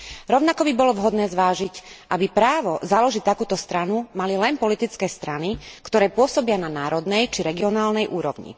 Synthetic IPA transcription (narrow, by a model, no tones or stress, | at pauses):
ɾɔʊnakɔbibɔlɔʋɦɔd̪nɛːzʋaːʒicʔabipɾaːʋɔzalɔʒic̚t̪akuːt̪ɔst̪ɾanumalilɛnpɔlit̪it͡skɛːst̪ɾanikt̪ɔɾɛːpʊɔsɔbɪananaːɾɔd̪nɛjt͡ʃiɾɛɡiɔnaːlnɛjʔuːɾɔ̰ʋɲḭ